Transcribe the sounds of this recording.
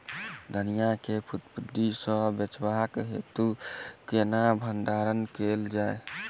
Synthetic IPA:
d̪ʱənijakepʰut̪pud̪ːisə̃bet͡ʃwakɦḛt̪ukenabʱənd̪aɾənkeld͡ʒae

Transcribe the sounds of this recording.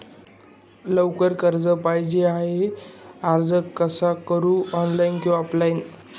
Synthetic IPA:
ləwkəɾkəɾd͡zəpajd͡ʑeaɦeaɾd͡zəkːəsakəɾuːɔnlajnkiwɔplain

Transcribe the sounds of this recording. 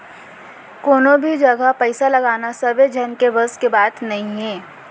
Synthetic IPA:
koːnõbʱid͡ʒɐɡapɛɪsalɐɡaːnasɐbed͡ʒʱɛnkebɐskebaːt̪nɐɦĩɦɛ̃ː

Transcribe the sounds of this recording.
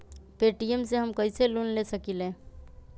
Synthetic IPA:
peʈiemseɦəmkəjselunlesəkilẽ

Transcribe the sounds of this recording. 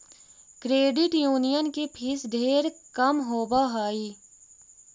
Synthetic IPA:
kɾeːɖɪʈjuːnijənkepʰɪsd̪ʱeːɾkəmɦoːbaɦaːiː

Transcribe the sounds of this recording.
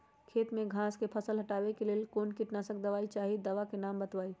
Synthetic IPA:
kʰeːt̪mẽɡʱãskepʰəsəlɦəʈaːbekelelkonkiʈnasək̚d̪əʋaːit͡ʃaɦid̪əʋakenambət̪ʋaːi

